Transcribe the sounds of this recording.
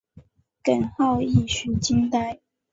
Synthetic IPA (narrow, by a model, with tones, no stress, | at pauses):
kə˨˩nxɑ˥˧ʊi˥˩ɕy˨˥t͡ɕi˥ŋt̪a˥ɪ